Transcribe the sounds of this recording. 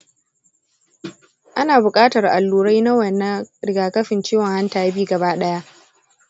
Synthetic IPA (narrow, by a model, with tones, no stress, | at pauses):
ʔa˦naː˨bʊ˨kʼaː˦tɐ˨rʔa̰˨lːuː˨ɾa˦jna˦wɐ˨nːa˦ɽɪ˦ɡaː˨kɐ˦ɸɪ˨nt͡ʃeː˦wɐ˨ŋha˦ntaː˨ja˦biː˦ɡɐ˨baː˦ɗɐ˦ja˦ʔ